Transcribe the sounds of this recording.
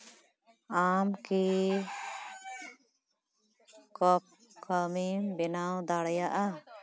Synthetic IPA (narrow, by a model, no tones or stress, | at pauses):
amki | kɔp̚ | kʰəmimbɛnawd̪aɽɛjaʔa